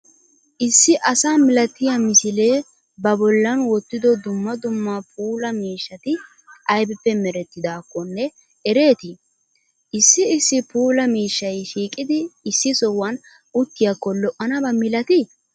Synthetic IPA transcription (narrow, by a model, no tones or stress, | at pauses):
ʔɪsːɪʔɐsaːmɪlɐt̪ːɪjamɪsɪle̞ː | bɐbɔlːɐnwɔt̪ːɪd̪ɔd̪ʊmːɐd̪ʊmːapʰuːlɐmiːʃːɐt̪ɪ | ɐjbɛpːɛmɛɾɛt̪ːɪd̪aːkːɔnːɛ | ɛɾe̞ːt̪ɪ | ʔɪsːɪɪsːɪpuːlɐmiːʃːɐjʃiːkʼɪd̪ɪːsːɪsɔwːɐn | ʔʊt̪ːɪjɐkːɔlɔʔɐnɐbɐmɪlɐt̪ɪ